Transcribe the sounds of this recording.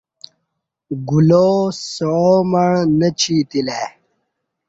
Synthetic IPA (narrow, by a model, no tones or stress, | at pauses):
ɡulosoomɐɳnət͡ɕʰiːt̪ileː